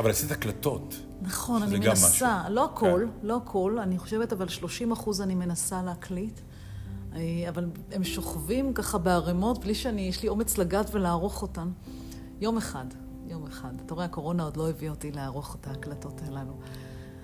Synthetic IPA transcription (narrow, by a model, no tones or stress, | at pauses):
avalasiaklato̞t | naχo̞nanimenasalo̞akʰo̞lːoakʰo̞laniχo̞ʃevetavalʃlo̞ʃimaχuzanime̞nasaleaklit | aval | e̞mʃo̞χvimkaχabeaʁemo̞tbliʃeanijeʃlio̞me̞t͡slaɡatve̞laːʁo̞χo̞tam | jo̞meχad | jo̞meχadatoeako̞ʁo̞nao̞d̪lo̞eviaotileaʁo̞χotaːklato̞telanu